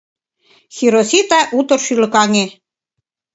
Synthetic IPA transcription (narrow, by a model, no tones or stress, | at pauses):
xiɾosit̪ɑʔut̪ŏrʃylɤ̆kɑŋe